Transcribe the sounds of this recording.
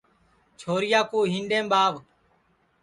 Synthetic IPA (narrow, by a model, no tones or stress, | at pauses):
t͡ʃʰoːɾɪjaːkuːɦĩːnɖẽːmɓaːʋ